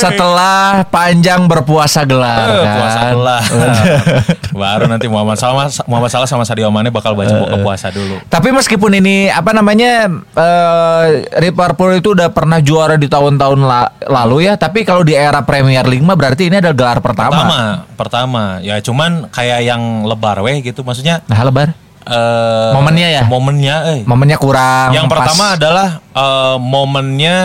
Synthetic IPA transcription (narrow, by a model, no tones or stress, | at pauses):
sət̪əlahpaɲd͡ʒaŋbərpuasaɡəlarkauasaəla | baɾunant̪imuamasalmuamasalasamasadiamanɛbakalbat͡ʃapuɔpua̰sadulut̪apiməskipʊniniapanamaɲaəː | riparpoɾit̪uːdahpərnahd͡ʒuaɾadit̪aɦʊnt̪aʊnlalalujat̪apikalodieɾapɾemiərliŋmabəɾart̪iːniadalaɡəlarpərt̪amaamapərt̪amajat͡ʃumankajajaŋləbarwɛhɡit̪umas̬uk̚ɲalaɦləbar | əmomənɲajamomənɲaəhmomənɲakuɾaŋjaŋpəramaːdalahəmomənɲa